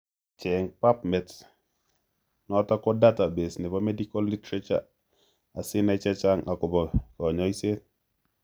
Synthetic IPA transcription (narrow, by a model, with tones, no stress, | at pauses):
t͡ʃɛ˨ŋpa˦pmɛ˨t | nɔ˦ta˦kɔ˦data˨be˨snɛ˨pa˦me˦dikolːi˦tɾa˦t͡ʃa̰˦ | a˨si˦na˦t͡ʃa˦t͡ʃa˦ŋʔa˨kɔ˨bɔ˨kɔ˨ɲɔ˦i˦se˦t